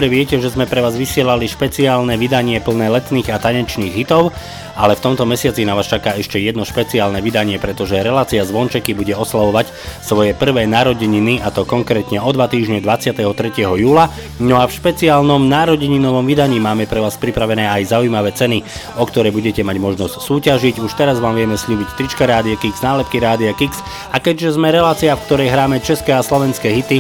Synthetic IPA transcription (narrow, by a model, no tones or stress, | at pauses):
bɾɛʋɪɛcɛʒɛzmɛpɾɛʋaːzʋisɪɛlaliʃpɛt͡siaːlnɛʋid̪aɲɪɛpl̩nɛːlɛt̪niːɣat̪aɲɛt͡ʃniːɣɦit̪ɔʊ | alɛft̪ɔmt̪ɔmɛsɪat͡sinaʋaːst͡ʃakaːɛʃcɛjɛd̪nɔʃpɛt͡siaːlnɛʋid̪aɲɪɛpɾɛt̪ɔʒɛɾɛlaːt͡siazʋɔnt͡ʃɛkibuɟɛɔslaʋɔʋac | sʋɔjɛpr̩ʋɛːnaɾɔɟɛɲiniʔat̪ɔkɔŋkɾɛːt̪ɲɛɔd̪ʋat̪iːʒɲɛd̪ʋat͡sɪat̪ɛɦɔt̪ɾɛcɪɛɦɔjuːla | nɔafʃpɛt͡siaːlnɔmnaːɾɔɟɛɲinɔʋɔmʋid̪aɲiːmaːmɛpɾɛʋaːspɾipɾaʋɛnɛːajzaujmaʋɛːt͡sɛni | ɔkt̪ɔɾɛjbuɟɛcɛmaɟmɔʒnɔscsuːcaʒiɟuʃt̪ɛɾazʋaːmʋɪɛmɛsʎuːbict̪ɾit͡ʃkaɾaːd̪iakiɡznaːlɛp̚kiɾaːd̪iakiks | akɛɟʒɛzmɛɾɛlaːt͡siafkt̪ɔɾɛjɦɾaːmɛt͡ʃɛskɛːaslɔʋɛnskɛːɦit̪i